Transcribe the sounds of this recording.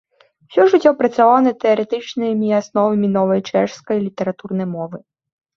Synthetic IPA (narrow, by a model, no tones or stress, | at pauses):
wsʲɔʐɨtʲːɔpɾɐt͡sʲavawnɐt̪ɛɐɾɛt̪ɨt͡ʃnɨjmʲiasnɔvɐmʲinɔvɐjt͡ʂɛʂskɐjlʲit̪ɛɾat̪urnɐjmɔvɨ